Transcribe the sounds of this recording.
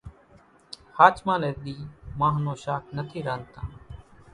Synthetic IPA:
haːt͡ʃmãːleːɾɗ̪iːmãːɦnõːʃaːkʰnət̪ʰiːɾaːnt̪ã̰ː

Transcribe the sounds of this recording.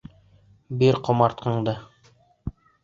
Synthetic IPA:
biɾqŏmɑɾt̪̚qɤ̆ɴd̪ɤ

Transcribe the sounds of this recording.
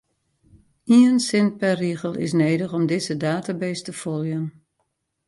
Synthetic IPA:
iənsɪn̚pɛriəɣəlˠɪ̰s̬neːdəxɔmdɪzədaːtabejstəfɔljən

